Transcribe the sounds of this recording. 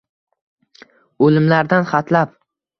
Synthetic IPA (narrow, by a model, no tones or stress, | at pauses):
olɪmlaɾd̪anχat̪ʰlap